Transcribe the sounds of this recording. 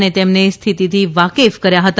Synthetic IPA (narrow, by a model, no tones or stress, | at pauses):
net̪emnest̪ʰit̪it̪ʰiʋakefkəɾjaɦət̪